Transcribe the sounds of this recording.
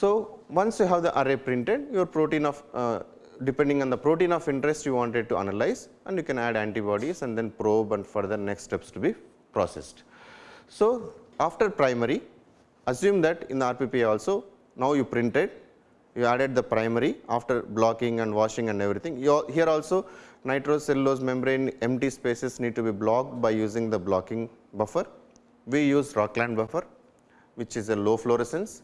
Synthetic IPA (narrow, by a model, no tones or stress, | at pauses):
soːʋʌ̃nsjuːɦæʋd̪iʔaɾepɾɪ̃ɳʈeɖjuʋəɾpɾoːʈĩnɔːf | ɖɪpẽɳɖɪiŋɔ̃ːnd̪ɐpɾoːʈĩnɔːfɪ̃ɳʈɾesʈjuːʋãːɳʈeɖ̚ʈua̰nɐlaɪzʔæ̃ɳɖjuːkɛ̃næɖæ̃ɳʈibɔːɖizɛ̃ɳɖd̪ẽnpɾoːbɛ̃ɳɖfɔɾd̪ɐɾneksʈepsʈubi | pɾɔ̰ːsḛsʈ | soːaːfʈəɾpɾaɪməɾi | ɐsjũːmd̪æʈɪ̃nd̪əaːɾpipiɔːlsoː | naʊjuːpɾɪ̃ɳʈeɖ | juːæːɖeɖ̚d̪əpɾãɪməɾiaːfʈəɾblɔːkɪ̃ŋæ̃ɳɖʋɔːʃɪ̃ŋæ̃ɳɖeʋɾit̪ʰĩŋɔɦiəɾɔːlsoːnaɪʈɾoːselːoːzmẽmbɾẽnẽmʈiːspeːsesniːɖ̚ʈubiːblɔːk̚ɖbaɪjuːzɪ̃ŋd̪əblɔːkɪ̃ŋ | bɐfəɾ | ʋijuːzɾɔːklãɳɖbɐfəɾ | ʋɪt͡ʃɪzeloːfloːɾesẽns